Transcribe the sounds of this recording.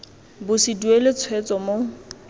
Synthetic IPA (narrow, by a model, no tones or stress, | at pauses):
bʊsiduelɪt͡sʰwet͡sʼɔmo